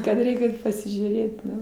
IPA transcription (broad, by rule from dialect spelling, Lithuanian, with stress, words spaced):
kɐt ˈrʲɛɪkʲ ˈɐɪt pɐsʲɪʒʲuːˈrʲeːt ˈnʊ